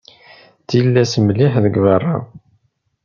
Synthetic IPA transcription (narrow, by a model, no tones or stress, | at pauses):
θilːæsmliħðəɡvərˤːa̰